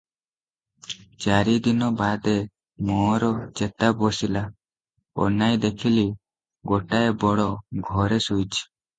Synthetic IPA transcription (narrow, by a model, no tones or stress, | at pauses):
t͡ʃaɾid̪inɔbad̪e | mɔɾɔt͡ʃet̪abɔsila | ɔ̰najd̪ekʰili | ɡoʈaebɔɽɔɡʱɔɾesujt͡ʃʰi̥